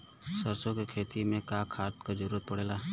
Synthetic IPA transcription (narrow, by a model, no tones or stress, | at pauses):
səɾsõkekʰeːt̪imẽkaːkʰaːt̪kazəɾuːɾət̪̚pɐɽeːlaː